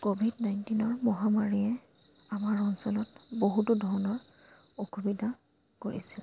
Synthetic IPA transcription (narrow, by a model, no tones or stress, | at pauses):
kobʱidnajntinɔɹmɔɦamaɹijɛ | amaɹɔnsɔlɔtboɦutudʱɔɹɔnɔɹoxubidʱa | koɹḭsil